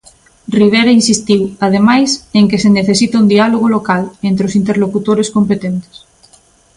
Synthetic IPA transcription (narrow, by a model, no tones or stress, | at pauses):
riβ̞eɾainsist̪iwað̞emajseŋkeseneθesit̪aund̪ialoɣ̞olokalent̪ɾeosint̪eɾlokut̪oɾeskompet̪ent̪e̥s